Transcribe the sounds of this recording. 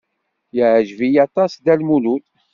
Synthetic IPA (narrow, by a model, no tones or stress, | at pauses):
jəʕʒvijɑt̪ˤɑsd̪ælmulut̪